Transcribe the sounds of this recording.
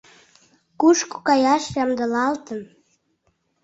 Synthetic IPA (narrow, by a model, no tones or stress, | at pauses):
kuʃku̥kɑjɑʃjɑmd̪əlɑlt̪ən